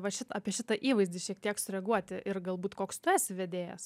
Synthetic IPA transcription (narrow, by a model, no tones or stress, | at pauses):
ʋɐʃʲɪt̪ɑːpʲiɛʃʲɪt̪ɐʔiːʋɐɪzʲd̪ʲiʃʲiɛk̚t̪ʲiɛksʊɾʲɛɡuɔt̪ʲɪʔɪrɡɐlˠbuːt̪koːkst̪ʊæːsʲɪʋʲɛd̪ʲeːjɛ̰s